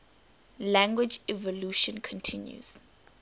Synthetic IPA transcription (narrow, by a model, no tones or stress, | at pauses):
lãŋɡwɪd͡ʒɛvɔluʃɔ̃nkʰɔ̃ntʰĩnjṵz̥